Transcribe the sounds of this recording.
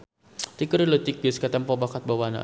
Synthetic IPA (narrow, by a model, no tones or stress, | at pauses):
t̪ikəɾilət̪ik̚biskat̪ɛmpɔbakat̪̚bawana̰